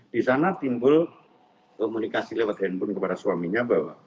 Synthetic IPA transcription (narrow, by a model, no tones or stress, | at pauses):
d̥isanat̪imbʊl | komunikasilewat̪̚ɦɛnpʊnkəpadaswamiɲabawa